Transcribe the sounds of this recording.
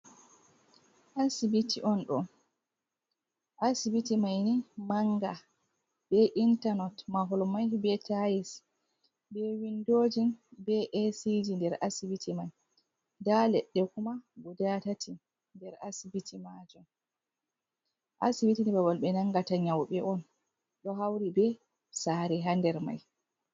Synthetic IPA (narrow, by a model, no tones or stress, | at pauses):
ʔasibitiʔɔnɗɔ̰ | ʔasibitimajnimaŋɡa | bɛʔintanɔtmaɦɔlmajbɛtʰajis | bɛwindoːd͡ʒinbɛʔɛsid͡ʒindɛɾʔasibitʰimaj | dalɛɗːɛkumaɡudatatʰi | ndɛɾasibitʰimad͡ʒɔn | ʔasibitinibabalɓɛnaŋɡataɲawɓɛʔɔn | ɗɔɦawɾibɛ | saɾɛɦandɛɾma̰j